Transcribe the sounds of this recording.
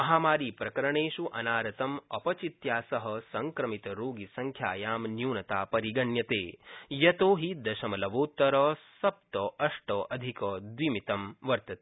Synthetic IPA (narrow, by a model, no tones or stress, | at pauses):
ɐɦaːmaːɾiːpɾɐkɐɾɐɳeːʃuʔɐ̰naːɾɐt̪ɐmɐpɐt͡ʃit̪jaːsɐɦɐsɐŋkɾɐmit̪ɐɾoːɡisɐŋkʰjaːjaːmnjuːnɐt̪aːpɐɾiɡɐɳjɐt̪eːjɐt̪oːɦid̪ɐʃɐmɐlɐʋoːt̪ːɐɾɐsɐp̚t̪ɐɐʂʈɐʔɐd̪ʱikɐd̪ʋimit̪ɐmʋɐɾt̪ɐt̪e